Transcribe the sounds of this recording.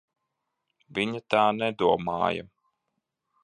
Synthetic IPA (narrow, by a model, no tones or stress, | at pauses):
viɲat̪aːnɛd̪uɔma̰ːja̰